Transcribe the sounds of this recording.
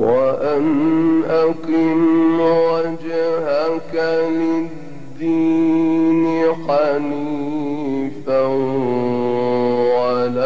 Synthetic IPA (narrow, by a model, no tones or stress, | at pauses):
waʔanʔakɪmwad͡ʒɪɦakalɪ | d̪ːiːnixɑliːfa | ala